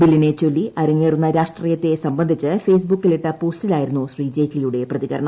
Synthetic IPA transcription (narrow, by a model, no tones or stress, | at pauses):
bilːinet͡ɕo̞lːiʔɐɾɐŋːeːrunːɐɾaːʂʈriːjɐt̪ːe̞sɐmbɐnd̪ʱit͡ɕːɨfe̞ːs̬bukːiliʈːɐpo̞ːstilaːjiɾunːuɕriːd͡ʑeːklijuɽe̞prɐðiɣɐɾɐɳɐ